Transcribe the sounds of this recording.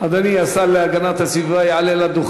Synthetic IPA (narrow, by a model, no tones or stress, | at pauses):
ad̪aniasalːeaɡanat̪hasivajeʕalelad̪uχ